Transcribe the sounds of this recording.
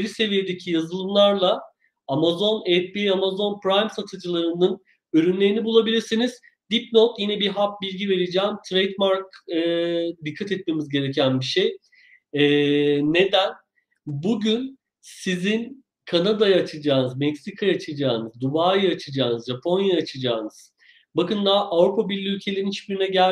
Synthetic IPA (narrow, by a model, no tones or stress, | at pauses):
eɾʲise̞vije̞d̪ecʰijazɯlˠɯmlˠaɾlˠa | amazo̞nɛt̪̚biamazo̞npɾajmsat̪ʰɯd͡ʒɯlˠaɾɯnɯn | øɾynlʲe̞ɾinibulˠabilʲiɾsiniz̥ | d̪̥ip̚no̞kjinɛbiɦap̚bilʲɟive̞ɾed͡ʒɛːmt̪ʰɾejt̪maɾkɯd̪ikʰːat̪ɛt̪̚me̞mizɟe̞ɾe̞cʰænbiʃej | ɛːe̞d̪æn | buɟyn | sizin | kʰanad̪ajaːt͡ʃʰɯd͡ʒaːnɯzmɛcsikʰajaat͡ʃʰɯd͡ʒaːnɯzd̪ubaːjɯat͡ʃʰɯd͡ʒaːnɯzʒapʰo̞njajaːt͡ʃʰɯd͡ʒaːnɯz̥ | bakɯnd̪aʔavɾupʰabiɾlʲiylʲcʰe̞lʲeɾinit͡ʃbyɾynɛɟæ